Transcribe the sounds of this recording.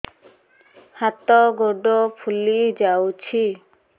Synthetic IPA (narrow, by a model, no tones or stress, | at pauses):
hat̪ɔɡoɖɔpʰulid͡ʒawt͡ʃʰi